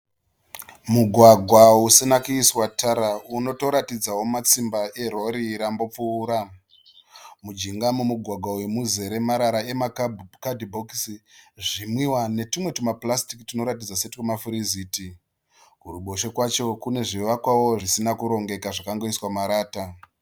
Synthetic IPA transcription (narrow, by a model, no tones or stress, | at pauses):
muɡʱwaɡʱwausinakuiswatʰaɾauno̞to̞ɾatid͡zawo̞mat͡simbaʔe̞ɾo̞ɾiːɾambo̞p͡fuːɾa | mud͡ʒiŋɡamumuɡʱwaɡʱwauwemuze̞ɾe̞maɾaɾae̞makadʱibʱokisiʐimwiwane̞timwe̞timaplastikitino̞ɾat̬id͡zasetikumafuɾiziːti | kuɾuɓo̞ʃekwat͡ʃo̞kune̞ʐiʋakwawo̞ʐisinakuɾo̞ŋɡe̞kaʐakaŋɡoiswamaɾaːta